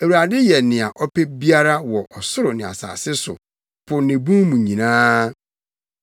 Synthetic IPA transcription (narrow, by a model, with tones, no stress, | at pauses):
æ˨wu˨ɾa˨dɪ˦jɛ˨nɪ̃˨a˨ʔɔ˦pʰe˦bi˦a˦ɾa˦wɔ˨ʔɔ˨sʊ˦ɾʊ˨nɪ̃˨a̰˨sa̰ː˨sɪ˦sʊ̰˨ | pʰʊ˨nɪ̃˨bũ˦mũ˨ɲĩ˨nãː˦